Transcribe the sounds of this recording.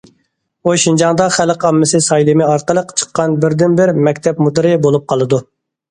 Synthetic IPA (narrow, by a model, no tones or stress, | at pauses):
oʃind͡ʒɑŋd̪ɑχælqɑmːɪsɨsɑjlˠɨmɪɑɾqəlˠəqt͡ʃʰə̥qːɑnbɪɾd̪ɪnbɪɾmɛkʲt̪ʰɛpmud̪ɨɾɪbolˠup̚qʰɑlˠɨd̪u